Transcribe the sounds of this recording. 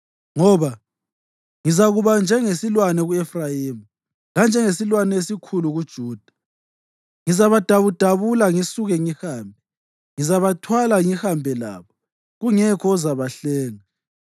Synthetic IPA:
ŋɔβa | ŋizaɣuβand͡ʒʱɛŋesilwanɛɣuɛfrajiːmu | land͡ʒʱɛŋesilwanɛesikʰuluɣud̥ʒ̥ʱuːd̥ʱḁ | ŋizaβad̥ʱaβud̥ʱaβulaŋisuɣɛŋihaːmbʱɛ | ŋizaβatʰwalaŋihambʱɛla̰ːβɔ | ɣuŋɛkʰɔːzaβaɬɛːŋa

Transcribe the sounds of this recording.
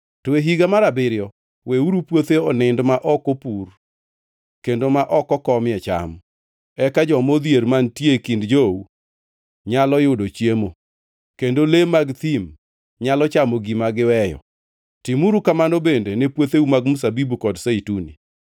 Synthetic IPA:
tɔeɦiɡamaɾabɪɾɪjɔ | weuɾupwot̪eɔnɪndmaʔɔkopur | kendomaʔɔkɔkɔmɪɛt͡ʃa̰m | ɛkad͡ʒɔmod̪jeɾmantjekindd͡ʒou | ɲalɔjʊdot͡ʃjemo | kendolemaɡt̪im | ɲalɔt͡ʃamoɡimaɡɪwɛjɔ̰ | timuɾukamanobendenepwot̪eumaɡmus̬abibukɔdseitunḭ

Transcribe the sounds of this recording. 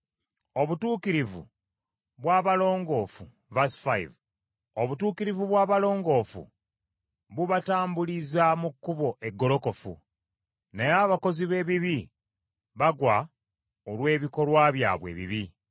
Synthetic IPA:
o̞βutuːkiɾivṵ | βwaːβalo̞ːŋɡo̞ːfu | vasi̥faj̰v | o̞βutuːkiɾivuβwaːβalo̞ːŋɡo̞ːfṵ | βuβataːmbulizamukːuβo̞ʔe̞ɡːo̞lo̞ko̞fṵ | nejaːβako̞ziβe̞ːβiβi | βaɡwa | olwe̞ːβiko̞lwaːβja̰ːβwḛβḭβi

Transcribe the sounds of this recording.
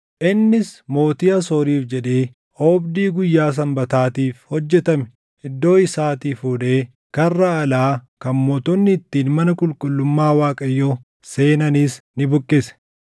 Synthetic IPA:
ʔɪnːɪsmo̞ːt̪iːɐsɔːɾiːfd͡ʒɛᶑe̞ː | ɔːbd̪iːɡʊjːaːs̬ɐmbɐt̪aːt̪iːfhɔd͡ʒːɛt̪ɐmɛ | ʔɪd̪ːo̞ːɪsaːt̪iːfuːᶑeː | kɐrːɐːlaːkɐmmɔt̪ɔnːɪːt̪ːiːnmɐnɐkʼʊlkʼʊlːʊmːaːwaːkʼɐjːo | se̞ːnɐniːsnɪbʊkʼːɪsɛ̥

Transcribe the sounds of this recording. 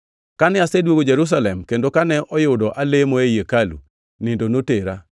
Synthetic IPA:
kanɛasɛdwoɡod͡ʒɛɾus̬alɛmkendokanɛʔɔjʊdɔʔalemɔejekalṵ | nɪndonoteɾa

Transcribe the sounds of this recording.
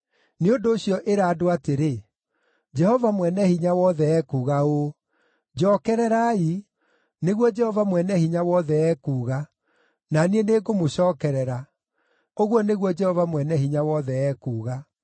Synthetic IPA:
neondoːɕiɔʔeɾaːdoateɾe | d͡ʒɛhɔvamwɛnɛhiɲawɔðɛɛkuːɣao | d͡ʑɔːkɛɾɛɾai | neɣwɔd͡ʒɛhɔvamwɛnɛhiɲawɔðɛɛːkuːɣa | nanieneɡomoɕɔːkɛɾɛɾa | oɣwɔneɣwɔd͡ʒɛhɔvamwɛnɛɦiɲawɔðɛɛːkuːɣa

